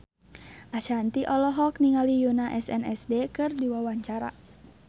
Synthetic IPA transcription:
ʔaʃant̪iʔɔlɔɦɔk̚niŋalijunaʔɛsɛ̰nɛsdekɨrdiwawaɲt͡ʃaɾa̰

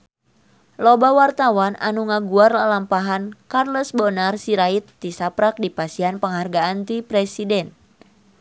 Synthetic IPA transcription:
lɔbawart̪awana̰nuŋaɡuarlalampaɦankarlɔsbɔnarsiɾait̪ːisapɾak̚dipasianpəŋɦarɡaant̪ipɾɛsidɛn

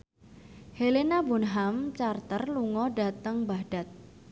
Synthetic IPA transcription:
helenabunɦamt͡ʃart̪ərluŋɔɖa̤t̪əŋbaɖ̥a̤t̪̚

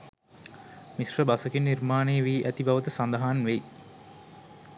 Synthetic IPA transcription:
misrəbasəkinːirmaːneːʋiːʔæt̪ibaʋət̪əsand̪ɐɦaːnʋeji

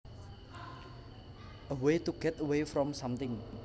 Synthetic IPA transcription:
ʔəwet̪uɡ̥ɛt̪əwefɾɔmsamt̪ɪŋ

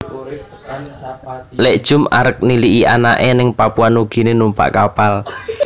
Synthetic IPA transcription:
leʔd̥ʒ̥ʊ̤ma̰ɾək̚niliʔiʔanaʔenɪŋpapuanuɡ̥i̤nenumpa̰ʔkapal

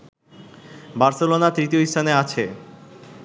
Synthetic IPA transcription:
baɾselonat̪ɾit̪ioiʃʈ̪ʰaneat͡ɕʰe

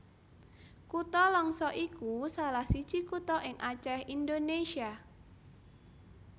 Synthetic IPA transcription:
kut̪ɔlɔŋsɔʔikusalahsi̥ʒ̥ikut̪ɔʔɪŋʔat͡ʃɛhindoneʃia

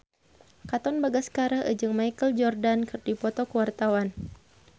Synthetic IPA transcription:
kat̪ɔnbaɡaskaɾahʔə̰d͡ʒɨŋmaikəld͡ʒɔrdankɨrdipɔt̪ɔkəwart̪awan

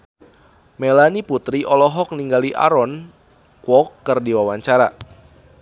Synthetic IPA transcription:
melaniput̪ɾiʔɔlɔɦɔk̚niŋɡaliʔa̰ɾɔn | kwɔkːərdiwawaɲt͡ʃaɾa

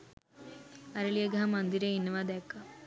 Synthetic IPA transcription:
ɐɾɐɭijɐɡɐɦɐmɐnd̪iɾeinːɐʋad̪ɛːkːɐ

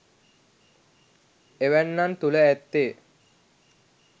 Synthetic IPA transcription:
eʋænːant̪uləæt̪ːeː

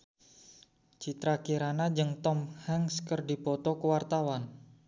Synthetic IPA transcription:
t͡ʃit̪ɾakiɾanad͡ʒəŋt̪ɔmhɛŋskərdipɔt̪ɔkəwart̪awan

